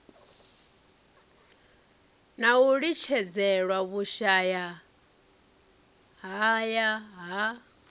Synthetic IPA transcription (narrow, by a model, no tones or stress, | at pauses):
nauɺit͡ʃʰɛd͡zɛɺwaβuʃaja | ɦajaɦa